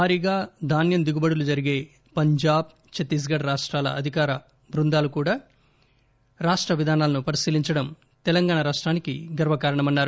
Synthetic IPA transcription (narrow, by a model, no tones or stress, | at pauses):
aːɾiːɡaːd̪ʱaːnjɐnd̪iɡubɐɽulud͡ʒɐɾiɡe̞ː | pɐɲd͡ʒaːb̚ | t͡ʃet̪ːis̬ɡɐɽɾaːʂʈɾaːlɐ̰ɐd̪ʱikaːɾɐ | bɾund̪aːlukuːɽaː | ɾaːʂʈɾɐʋid̪ʱaːnaːlɐnupɐɾisiːliɲt͡ʃɐɽɐm | t̪ɛlɐŋɡaːɳɐɾaːʂʈɾaːnikiɡɐɾʋɐkaːɾɐɳɐmɐnːaːɾu